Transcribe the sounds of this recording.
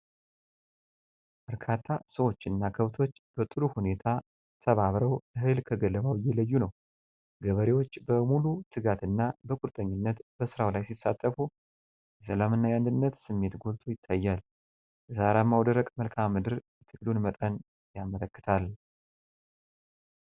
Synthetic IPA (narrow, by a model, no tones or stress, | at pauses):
b̥əɾkʰat̪ʰːasəwo̞t͡ʃːɨnːakʰəβt̪ʰo̞t͡ʃːb̥ət̪ʼɨɾuhune̞t̪ʰa | t̪ʰəβaβɾəwʔɨhɨlkʰəɡəlːəβawjɛləjːunəw | ɡəβəɾe̞wo̞t͡ʃːbəmulut̪ʰɨɡat̪ɨnːabəkʼuɾt̪ʼəɲːɪnːət̪b̥əsɨɾawlajsisːat̪ʼːəfu | jɛsəlamɨnːajand̪ɨnːət̪sɨmːe̞t̪ɡolt̪ʼojɪt̪ʰːajːal | jzaɾamːawd̪əɾəkʼməlkʰammːɨd̪ɨɾjɛt̪ʰɨklunmət̪ʼən | jamələkːɨ̥t̪ʰal